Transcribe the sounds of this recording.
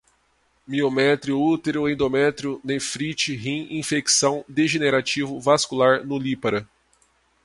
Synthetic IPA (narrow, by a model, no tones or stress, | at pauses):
miomɛt̪ɾiʊut̪eɾʊẽd̪omɛt̪ɾiʊnefɾit͡ʃiɦĩĩfeksɐ̃w̃d̪eʒeneɾat͡ʃivʊvaskulaɾnʊlipaɾɐ